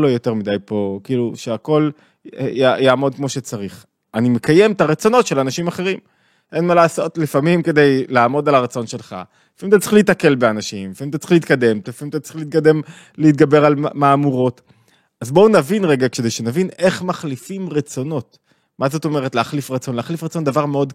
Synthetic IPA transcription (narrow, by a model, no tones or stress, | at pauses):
lojo̞teʁmidajpo̞kiːluʃeako̞l | ejajaːmo̞d̚kmo̞ʃet͡saʁiχ | ʔanime̞kaje̞mt̪aʁet͡so̞no̞tʃe̞lanaʃimaχe̞ʁim | ʔenmalaːso̞tlifamimke̞dejlaːmo̞dalaʁat͡so̞nʃe̞lχa̰ | ifamimt̪̬at͡sʁiχliːtake̞lbeanaʃimlifamimt̪at͡silit̪̚kade̞mtlifamimt̪at͡siliːt̪̚kade̞m | leit̪̚ɡabe̞ʁalmaːmuʁo̞t | azbo̞unavinʁeɡakʃedejʃenavine̞χmaχlifimʁet͡so̞no̞t | mazot̪o̞me̞ʁetleaχlifʁat͡so̞nleaχlifʁat͡so̞ndavaʁmeo̞d